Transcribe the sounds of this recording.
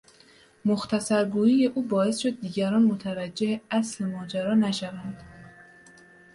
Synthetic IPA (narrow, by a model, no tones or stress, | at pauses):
moxt̪ʰæsæɾɡuːjiːje̞ʔuːbɒːe̞sʃo̞d̪̚ːiːɟæɾɒːnmot̪ʰævæd͡ʒːe̞heæsle̞mɒːd͡ʒæɾɒːnæʃævænd̪̥